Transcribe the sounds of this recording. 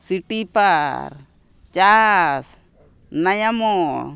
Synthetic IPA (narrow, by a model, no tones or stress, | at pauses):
siʈipaɾ | t͡ʃas | najamɔ